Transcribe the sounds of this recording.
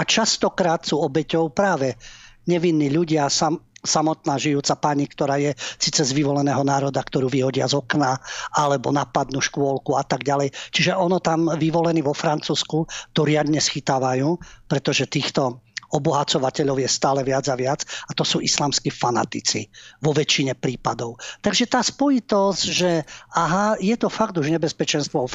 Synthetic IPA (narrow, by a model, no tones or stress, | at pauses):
at͡ʃast̪ɔkɾaːt̪suːɔbɛcɔʊpɾaːʋɛɲɛʋinːiːʎuɟɪasasamɔt̪naːʒijuːt͡sapaɲikt̪ɔɾaːjɛsiːt͡sɛzʋiʋɔlɛnɛːɦɔnaːɾɔd̪akt̪ɔɾuːʋiɦɔɟɪazɔknaʔalɛbɔ̰napad̪nuːʃkʊɔlkuat̪aɡɟalɛjt͡ʃiʒɛʔɔnɔt̪amʋiʋɔlɛniːʋɔfɾant͡suːskut̪ɔɾɪad̪ɲɛsxit̪aːʋajuːpɾɛt̪ɔʒɛt̪iːxt̪ɔɔbɔɦat͡sɔʋacɛʎɔʊjɛst̪aːlɛʋɪad͡zaʋɪad͡zat̪ɔsuːʔislaːmskiːfana̰t̪it͡sḭʋɔʋɛt͡ʃiɲɛpɾiːpad̪ɔʊt̪aɡʒɛt̪aːspɔjit̪ɔzɟʒɛaɦajɛt̪ɔfaɡt̪uʒɲɛbɛspɛt͡ʃɛnst̪ʋɔɔ